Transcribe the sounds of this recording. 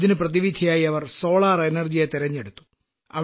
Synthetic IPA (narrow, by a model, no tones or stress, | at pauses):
ðinɨprɐðiʋid̪ʱijaːjiɐʋɐrso̞ːɭaːrenerd͡ʑijet̪iɾɐɲːeɽut̪ːu̥ | ɐ̰ʋ